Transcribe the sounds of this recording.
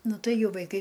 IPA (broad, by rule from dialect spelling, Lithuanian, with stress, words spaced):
ˈnʊ ˈtɐɪ ˈjɛʊ ʋɐɪˈkɐɪ